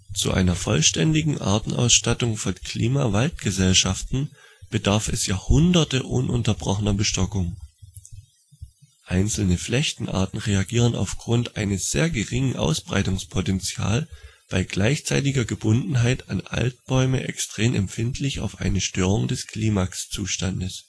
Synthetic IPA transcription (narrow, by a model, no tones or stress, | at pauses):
t͡sṵʔa̰ɪnɐfɔ̰lʃtɛndɪɡŋ̩ʔa̰ɐtn̩ʔa̰ʊsʃtatʊŋfɔnkʰl̥iːmavalt̚ɡ̥əzɛlʃaftn̩ | b̥ədaɐfɛsjaːhʊndɐtəʔʊ̰nʔʊ̰ntɐbʁɔχənɐbəʃtɔkʊŋ | ʔaɪnt͡sl̩nəflɛçtn̩ʔa̰ɐtn̩ʁeaɡiːʁ̞əna̰ʊfɡ̥ʁʊntʔaɪnəsz̥ḛːɐɡəʁɪŋənʔa̰ʊsb̥ʁa̰ɪtʊŋspʰotɛnt͡sja̰ːl | b̥aɪɡlaɪçt͡saɪtɪɡɐɡəbʊndn̩ɦaɪtʰanʔa̰lt̚b̥ɔʏməʔɛkstʁ̥eːmʔɛ̰mpfɪntʰlɪça̰ʊfʔa̰ɪnəʃtøːʁ̞ʊŋdɛskʰl̥iːmakst͡suːʃtandəs